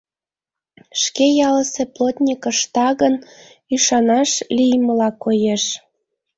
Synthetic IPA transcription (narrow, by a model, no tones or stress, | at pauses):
ʃkejɑləseplot̪ʲnʲikəʃt̪ɑɣən | yʃɑnɑʃlijməlɑkojeʃ